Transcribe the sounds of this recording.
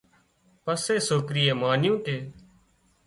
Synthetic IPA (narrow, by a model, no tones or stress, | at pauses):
pəseːsoːkɾɪːeːmaːnjũːʈ̪eː